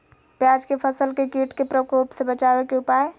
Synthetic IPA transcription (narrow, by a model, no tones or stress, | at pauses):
pjad͡ʒkepʰəsəlkekiʈkepɾəkopsebət͡ʃabekeupaːe